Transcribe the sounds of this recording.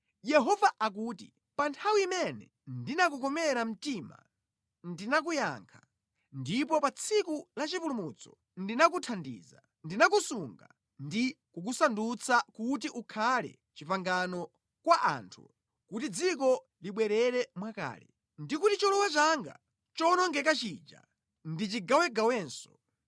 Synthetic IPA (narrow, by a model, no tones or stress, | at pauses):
jɛɦɔvaʔak̬uːtḭ | pantʰawiːmɛnɛ | ndinak̬ukɔmɛɾam̩tima̰ | ndinak̬uja̰ŋkʰḁ | ndip̬ɔpat͡sʰikulat͡ʃipulumut͡sɔ̥ | ndinak̬utʰandḭːza | ndinakusuŋɡa̰ | ndi | kuk̬usandut͡sʰakut̬iʔukʰalɛ̰ | t͡ʃipaŋɡanɔ | kwaʔa̰ːntʰṵ | kutid͡zik̬ɔ | liɓwɛɾɛɾɛmwaka̰ːlɛ̰ | ndikutit͡ʃɔlɔwat͡ʃaŋɡa̰ | t͡ʃɔnɔŋɡɛkat͡ʃiːd͡ʒa̰ | ndit͡ʃiɡawɛɡawɛːnsɔ̥